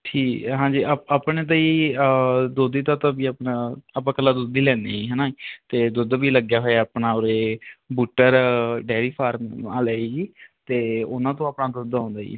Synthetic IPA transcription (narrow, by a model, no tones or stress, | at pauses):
ʈʰiːɦãːɲd͡ʒiːaaːpɳeːt̪̬aːiː | d̪oːd̪iːt̪ãːt̪ãːbiːapnaːpãːkəlːaːd̪oːd̪iːlɛ̃ːneːiːɦɛːnaːt̪eːd̪od̪ʋiːləɡjaːɦoːeaːpnãːoːɾeːbuːʈːəɾɖɛːɾiːpʰaːɾmaːlɛːiːd͡ʒiːt̪eːʊnãːt̪õːaːpnaːd̪od̪ãːnd̪aːḭː